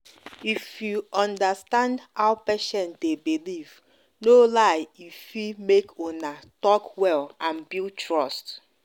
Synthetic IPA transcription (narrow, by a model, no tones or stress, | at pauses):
ifjuɔ̃ndastãndhawpɛʃɛ̃ntdebiliv̥ | nolaɪifimekʰonatɔkwɛlãnbiltʰɹɔst